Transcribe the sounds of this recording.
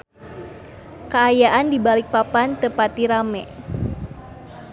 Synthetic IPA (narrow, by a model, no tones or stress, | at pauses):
kəajaʔandibalik̚papant̪əpat̪iɾamɛ̰